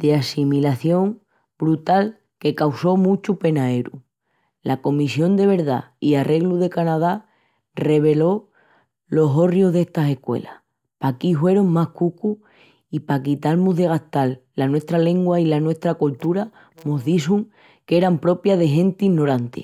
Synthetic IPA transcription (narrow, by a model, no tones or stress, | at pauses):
d̪̥easimilaθjõ̞ŋ | bɾut̪al | ke̞kawso̞mũt͡ʃupe̞naeɾṵ | lako̞misjo̞nd̪e̞β̞e̞ɾða̰iarʔe̞ɣluðe̞kanaða | re̞β̞e̞lo̞ | lo̞ɦo̞rjoɦðe̞ht̪ase̞hkwe̞̰la̰ | pakiɦwe̞ɾoŋmahkuku | ipak̬it̪almuðe̞ɣ̞aht̪alːanwe̞ht̪ɾale̞ŋɡwailanwe̞ht̪ɾakult̪uɾa | muɦðis̬uŋ | ke̞ɾampɾo̞pjaðe̞ɦẽ̞nt̪inːo̞ɾant̪ḛ